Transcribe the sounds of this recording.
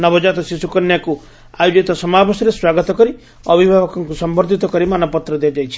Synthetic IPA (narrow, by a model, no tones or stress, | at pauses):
nɔbɔd͡ʒat̪ɔsisukɔnjaku | ajud͡ʒit̪ɔsɔmabɔsɔɾeswaɡɔt̪ɔkɔɾi | ɔbʱibʱabɔkɔŋkusɔmbɔɾd̪ʱit̪ɔkɔɾimanɔpɔt̪ɾɔd̪ejad͡ʒajt͡ʃʰi̥